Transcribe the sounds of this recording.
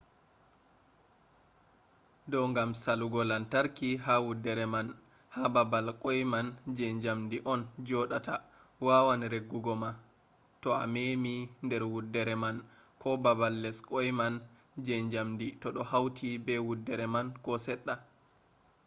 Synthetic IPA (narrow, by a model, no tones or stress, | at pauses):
dɔŋɡamsaluɡɔlantaɾkiɦawudːɛɾɛman | hababalkʼɔjmand͡ʒɛɲd͡ʒamdiʔɔnd͡ʒɔɗata | wawanɾeɡːuɡɔma | tɔa̰memindɛɾwudːɛɾɛmankʰɔbabalːɛskʼɔjman | d͡ʒɛɲd͡ʒamditɔɗɔhawtʰibɛwudːɛɾɛmankɔsɛɗːa